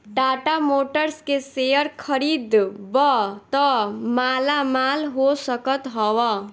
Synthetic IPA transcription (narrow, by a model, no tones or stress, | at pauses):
ʈaʈamoʈəɾskesejʌɾkʰʌɾid̪bʌt̪ʌmalamalɦosʌkʌt̪ɦʌwʌ